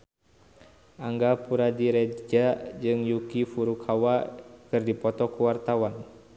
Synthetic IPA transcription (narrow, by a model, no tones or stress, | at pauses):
ʔaŋɡapuɾadiɾɛd͡ʒad͡ʒɨŋjukifuɾukʰawakɨrdipɔt̪ɔkuwart̪awan